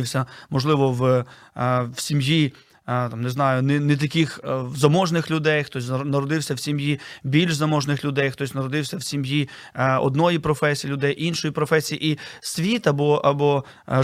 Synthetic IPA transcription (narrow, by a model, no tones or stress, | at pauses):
ɪwsʲɐmɔʒlˠɪʋɔw | wsʲimji | t̪ɑmneznɑjʊnɛnɛt̪̬ɐkʲixzɐmɔʒnɪxlʲʊd̪ɛjxt̪ɔs̬ʲnɐɾɔd̪ɪwsʲɐwsʲimjibʲilʲʒzɐmɔʒnɪxlʲʊd̪ɛjxt̪ɔsʲnɐɾɔd̪ɪwsʲɐwsʲimji | ɔ̰d̪nɔjipɾɔfɛsʲijilʲʊd̪ɛjinʃɔjipɾɔfɛsʲijiʔisʲʋʲit̪ɐbɔʔɐbɔ